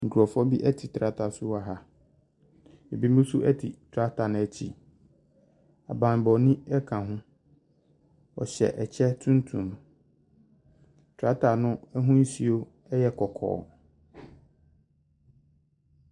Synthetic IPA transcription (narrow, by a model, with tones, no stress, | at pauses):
ŋ̩˨kʰɔ˨fɔ˦bi˦ʔɛ˦tʰi˨tʰɾa˦tʰa˨sʊ˦a˨ɦa˦ | ɛ˨bi˦mũ˦sʊ˦ʔɛ˦tʰi˨tʰɾa˦tʰa˨nʊ̃˦ɛ˦t͡ɕʰḭ˨ | a̰˨bã˨n˨bɔ˨nĩ˦ɛ˦kʰã˨ɦʊ̃˦ | ɔ˨ɕɛ̰˨ʔɛ˨t͡ɕʰɛ˦tʰũ˦n˦tʰṵ̃˨m | tʰɾa˦tʰa˨nʊ̃˦ɛ˦ɦʊ̃˦n̩˦si˨o˦ | ɛ˦jɛ˦kʰɔ˨kʰɔ̰ː˨